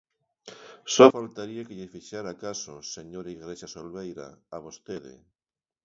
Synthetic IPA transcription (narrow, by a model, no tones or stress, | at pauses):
sɔfalt̪aɾiakeʎefiʃaɾakasoseɲoɾaiɣɾeʃasolβejɾa̰aβost̪eðḛ